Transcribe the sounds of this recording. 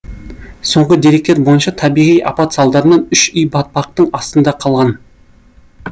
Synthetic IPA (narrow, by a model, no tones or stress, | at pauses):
so̞ɴʁəd̪e̞ɾek̚t̪eɾbo̞jənʃɑt̪ʰɑbijʁijʔɑ̰pɑt̪sɑlˠd̪ɑɾənɑnʏʃʏjbɑt̪̚pɑq̚t̪əɴɑst̪ənd̪ɑqʰɑlˠʁɑn